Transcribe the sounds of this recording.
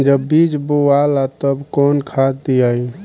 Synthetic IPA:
d͡ʒəbːid͡ʒbowalat̪əbkonkʰat̪iəj

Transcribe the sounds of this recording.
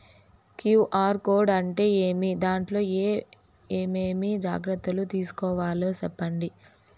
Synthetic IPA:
kjuːʔaːɾkoːɾɖɐɳʈe̞ːeːmid̪aːɳʈlo̞ːeː | eːmeːmid͡ʒa̰ːɡɾɐt̪ːɐlut̪iːsu̥kɔːʋaːloːsɛpːɐɳɖi

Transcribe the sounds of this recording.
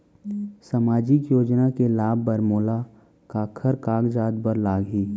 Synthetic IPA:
samaːd͡ʒɪkjoːd͡ʒnakelaːbːəɾmoːla | kaːkʰəɾkaːɡd͡ʒaːd̪bəɾlaːɡiː

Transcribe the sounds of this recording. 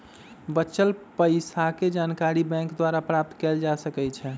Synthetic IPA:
bət͡ʃːəlpəɪsaked͡ʒankaɾibɛ̃ŋkd̪waɾapɾap̚t̪kɛld͡ʒasəkɛt͡ʃʰɛ

